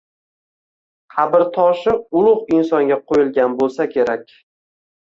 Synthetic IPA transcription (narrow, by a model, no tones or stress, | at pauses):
qʰɑbɪɾt̪ʰɒʃɪʊlˠʊʁɪnsɒŋɡʲaqʰojɪlˠɡʲanbolˠsakʲʰe̞ɾakʲ